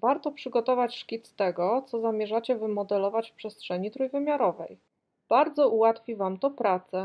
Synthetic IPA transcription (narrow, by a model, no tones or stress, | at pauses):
vaɾt̪ɔpʂɘɡɔt̪ɔvat͡ɕʂkʲit̪st̪ɛɡɔt̪sɔzamʲjɛʐat͡ɕɛvɘmɔd̪ɛlɔvat͡ɕfpʂɛstʂɛɲit̪ɾujvɘmʲjaɾɔvɛj | b̥aɾd̪zɔʔuwat̪fʲivamt̪ɔpɾat̪sɛ